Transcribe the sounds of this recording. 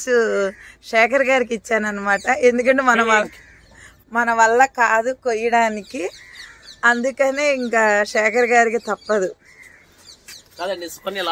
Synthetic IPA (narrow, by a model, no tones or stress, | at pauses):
suʃɛːkɐɾɐɡaːɾik̬it͡ʃːaːnɐnːɐmaːʈɐʔe̞nd̪ukɐɳʈemɐnɐɐ | mɐnɐʋɐlːɐkaːd̪ukojːɐɽaːniki | ɐnd̪ukɐneːiŋkaːʃɛːkʰɐɾɡaːɾikit̪ɐpːɐd̪u | kaːd̪ɐɳɖiskɐnil